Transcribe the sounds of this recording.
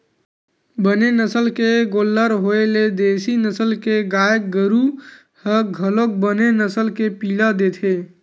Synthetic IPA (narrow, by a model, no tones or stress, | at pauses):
bənenəsəlkeɡolːəɾɦoeled̪esinəsəlkeɡajək̚ɡəɾu | həɡʱəlok̚bənenəsəlkepiləd̪et̪ʰe